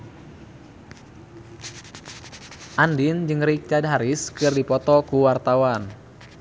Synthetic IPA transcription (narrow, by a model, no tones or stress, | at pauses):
ʔandɪnd͡ʒɨŋrik̚t͡ʃad̚ɦaɾɪskɨrdipɔt̪ɔkuwart̪awan